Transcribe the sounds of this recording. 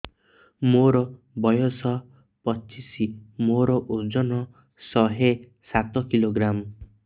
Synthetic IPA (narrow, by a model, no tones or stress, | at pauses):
moɾɔ | bɔjɔsɔ | pɔt͡ʃisimoɾɔʔod͡ʒɔnɔ | sɔɦe | sat̪ɔkiloɡɾam